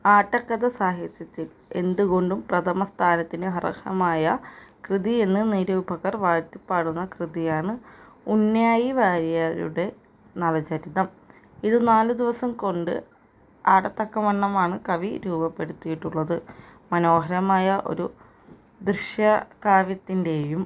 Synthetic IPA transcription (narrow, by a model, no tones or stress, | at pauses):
aːʈːɐkːɐðɐsaːɦit̪jɐt̪ːil | e̞nd̪uɣo̞ɳɖumprɐt̪ʰɐmɐst̪ʰaːnɐt̪ːinɨɦɐrɐ̰kʰɐ̰maːjɐkrɨðie̞nːɨniɾuːbʱɐɣɐrʋaːt̪ːipːaːɽunːɐkrɨðijaːɳɨunjaːjiʋaːɾijaːɾṵɽe̞ | nɐlɐt͡ɕɐɾiðɐm | iðɨnaːlɨd̪iʋɐsɐmko̞ɳɖɨ̰ | aːɽɐt̪ːɐkːɐmɐɳːɐmaːɳɨkɐʋiɾuːbɐpːe̞ɽut̪ːijiʈːuɭːɐðɨmɐno̞ːɦɐɾɐmaːjɐʔo̞̰ɾu | d̪riʂjɐkaːʋjɐt̪ːinde̞jum